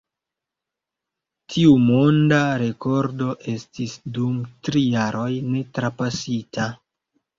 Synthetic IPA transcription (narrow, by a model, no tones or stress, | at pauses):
tʰiumo̞ndaɾe̞ko̞ɾdo̞ʔe̞stisdumtɾijaɾo̞jne̞tɾapasitʰa